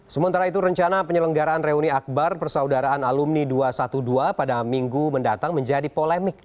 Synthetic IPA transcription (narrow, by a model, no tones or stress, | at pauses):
səmənt̪aɾait̪uɾəɲt͡ʃanapəɲələŋɡaɾaːnreuniak̚barpərsaudaɾaːnalumniduasat̪uduapadamiŋɡuməndat̪aŋməɲd͡ʒadipolɛmɪk̚